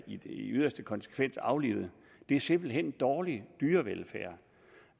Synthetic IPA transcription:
i̥eyð̞̰ˠɐsd̥əkʰɒ̽nsə̥kʰʋen̰sɑ̈ʊlḭːʊð̩ˠ | d̥e̝æɐse̝m̰b̥l̩ɦen̰d̥ɒːlid̥yːɐʋelfæ̰ɐ̰

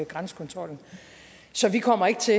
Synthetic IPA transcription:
ɡ̥ʁansə̥kʰɒ̽nt͡sʰʁɒ̽l̰n̩ | sɒ̽ʋikʰɒ̽m̰ɐe̝ɡ̥ət͡sʰe̝

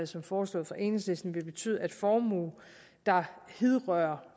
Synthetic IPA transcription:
ð̩ˠsɒ̽mfɒːslɔ̰̽ːðˠfʁɑ̈ʔe̝neŋslesd̥n̩ʋe̝lb̥e̝t͡sʰy̰ð̩ˠæd̥fɒːmṵː | d̥ɑ̈heðˠʁœːɐ

